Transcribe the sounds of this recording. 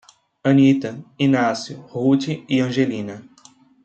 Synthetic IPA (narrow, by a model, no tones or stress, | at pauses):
ɐ̃nit̪ɐinasjʊhut͡ʃiiɐ̃ʒelĩnɐ